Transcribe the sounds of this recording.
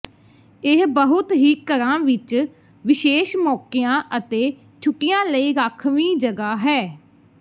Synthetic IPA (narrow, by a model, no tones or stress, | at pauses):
ɪɦbəɦʊt̪ɦiːkəɾãːʋɪt͡ʃ | ʋɪʃeːʃmɔːkɪjãːʔət̪eː | t͡ʃʰʊʈːɪjãːləiːɾaːkʰʋiːd͡ʒəɡaːɦɛː